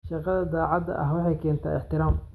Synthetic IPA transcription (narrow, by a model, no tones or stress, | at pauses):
ʃɑqɐðɐd̪aːʕɑd̪ɐ̰ʔɐɦwɑħɑjkʰɛːnt̪ʰa̰ːɪħt̪ɪɾaːm